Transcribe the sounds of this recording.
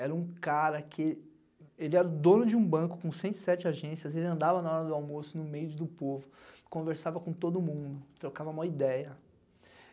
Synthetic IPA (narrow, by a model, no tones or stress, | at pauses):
ɛɾɐũkaɾɐkʰɪ | elɪɛɾʊd̪õnʊd͡ʒɪũbɐ̃kʊ̥kõsẽnt̪i̥sɛt͡ʃɪaʒẽsjɐzelɪɐ̃nd̪avɐnaɔɾɐd̪ʊawmosʊnʊmejʊd̪ʊpovʊ | kõveɾsavɐkõt̪od̪ʊmũnd̪ʊt̪ɾokavɐũmɐid̪ɛjɐ